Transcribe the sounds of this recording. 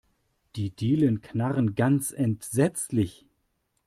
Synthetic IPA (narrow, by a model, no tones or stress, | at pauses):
d̥iːdiːlənknaʁənɡant͡sɛntz̥ɛt͡slɪç